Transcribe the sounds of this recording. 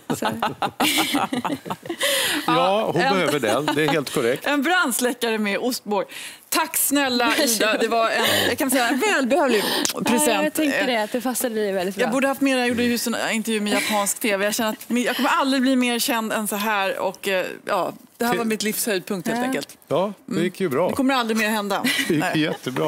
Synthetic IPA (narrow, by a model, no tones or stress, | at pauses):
s | jɔhʊnbɛh̪øːvəɖɛ̰nd̪ɛæɾheːlt̪kʰɔɾɛk̚t̪ɛnbɾanslɛkːaɾəmɛʔʊst̪̚bɔɾj | t̪ʰakːsnɛlːaʔid̪ad̪ɛvaɾɛnjɑkʰanɪsɛjːaɛnvɛːlbɛhøːvlɪpʰɾɛsɛnt̪ʰɛŋəɛat̪d̪ɛfasad̪əd̪ɛvɛlɪt̪jɑɡɡbuːɖəhaft̪meːɾjjuːɖəjhʉsənɪnt̪əɾjʉ̟ːmɛjapʰɑːnsk̚t̪ʰeːvɛjaɕɛnəɾat̪mjɑːɡkʰɔmːəɾald̪ɾɪbliːmeːɾɕɛnd̪ɛ̰nsɔɦæːɾɔ̰kjɑ̰ːd̪ɛhæɾvaɾmɪt̪lɪfshœʏd̪̚pʰɵŋkt̪heːɛŋkəlt̪jɑːdm̩ɛjɪkʰːjəbɾɑːdɛkʰɔmːəɾald̪ɾɪmeːɾhɛnd̪ad̪ɛjɪnɛjɛt̪ʰːəbɾɑ̰